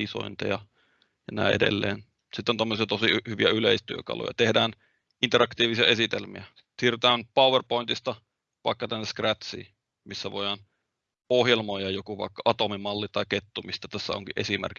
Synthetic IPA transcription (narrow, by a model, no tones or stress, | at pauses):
iso̰int̪ɑ̰jɑ | jɑnæ̰ˑiʔedḛlːḛːn | sit̪ːont̪omːosiɑt̪osihyʋiæyleˑist̪yøkɑ̰lo̰jɑ̰t̪ehdæːn | int̪erɑkt̪iːʋisiɑesit̪elmḭæ | siːrt̪æːnpɑˑuwʋerpoint̪ist̪ɑ | ʋɑ̰ˑekːɑt̪ænːeskræt̪sḭː | misːæʋo̰jɑn | ohjelmojɑjokuʋɑ̰ˑikːɑʔɑt̪omimɑlːit̪ɑˑiket̪ːumist̪æt̪æsːæ̰o̰ŋkiʔʔesimḛrk